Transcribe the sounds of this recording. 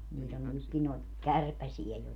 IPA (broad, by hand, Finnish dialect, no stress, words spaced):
niːt on nykːi noi̯t kærpæsie jo